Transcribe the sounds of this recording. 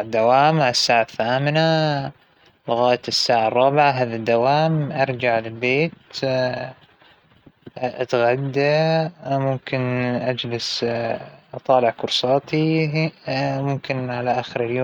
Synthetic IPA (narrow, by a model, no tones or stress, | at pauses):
d̪ːawaːmasːaːʕaθːaːmɪna | lʊɣaːjat̪sːaːʕɑrˤːɑːbɪʕaɦaːðad̪ːawaːmʔɑɾˤd͡ʒaʕlɪlbeːt̪ | ʔat̪ɣad̪ːa | mʊmkɪnʔad͡ʒlɪs | ʔt̪ˤɑːlɪʕkʊɾsˤɑːt̪i | mʊmkɪnʕalaʔaːxɪɾɪljoː